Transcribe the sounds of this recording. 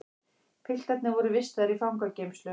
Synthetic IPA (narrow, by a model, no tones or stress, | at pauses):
kʰɪl̥t̪ɛt̪nɪvɔɾʏvɪst̪aðɪɾifawŋkacejmslœ